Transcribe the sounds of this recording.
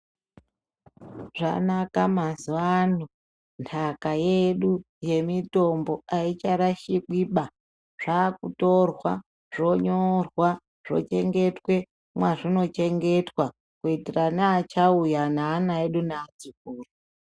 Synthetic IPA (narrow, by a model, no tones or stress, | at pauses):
ʐa̰nakamazuanu | ntʰakaje̞ɗu | je̞mito̞mbo̞ait͡ʃaɾaʃiɓiɓa | ʐ̥aːkuto̞rwa | ʐ̥o̞ɲorwa | ʐ̥o̞̰t͡ʃe̞ŋɡe̞twe̞ | mwaʐino̞t͡ʃe̞ŋɡe̞twa | kuitiranaːt͡ʃaujanaːnaeɗunaːt͡sikuːro